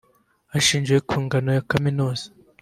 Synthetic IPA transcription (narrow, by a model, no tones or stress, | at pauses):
aʃiːnd͡ʒwe̞kʰuːŋɡanojakaminoːz̥ḁ